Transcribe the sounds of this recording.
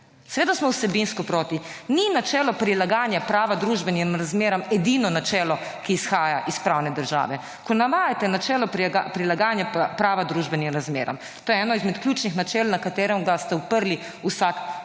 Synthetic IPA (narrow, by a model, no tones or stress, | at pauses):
sɛʋeːd̪asmɔwsɛbinskɔpɾoːt̪ininat͡ʃɛːlɔpɾilaɡaːnjapɾaːʋad̪ɾuːʒbɛnimɾazmeːɾamɛd̪inɔnat͡ʃɛːlɔkiːsxaːjaʔispɾaːwnɛd̪əɾʒa̰ːʋɛ | kɔnaʋaːjat̪ɛnat͡ʃɛːlɔpɾapɾilaɡaːnjapɾaːʋad̪ɾuːʒbɛnimɾazmḛːɾa̰m | t̪oːjɛɛːnɔizmɛt̪kljuːt͡ʃnixnat͡ʃɛːlnakat̪ɛːɾɛmɡast̪ɛupəɾli | usak